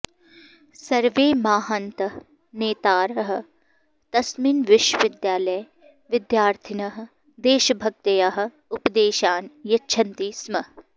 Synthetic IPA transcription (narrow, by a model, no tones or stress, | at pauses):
sɐɾʋeːmaːɦɐnt̪ɐ | neːt̪aːɾɐɦɐ̆ | t̪ɐsminʋɪʃwəʋɪd̪jaːlɐj | ʋɪd̪jaːɾt̪ʰɪnɐɦɐ̆ | d̪eːʃɐbʱɐk̚t̪ɐjɐɦɐ̆ | ʊpd̪eːʃaːnjɐtːʃʰɐnt̪iːsmɐ